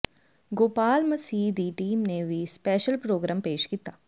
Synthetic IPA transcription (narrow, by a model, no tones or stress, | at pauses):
ɡoːpaːlmɐsiːd̪iʈiːmneʋʱispɛːʃəlpɾoːɡɾaːmpeːʃkiːt̪aː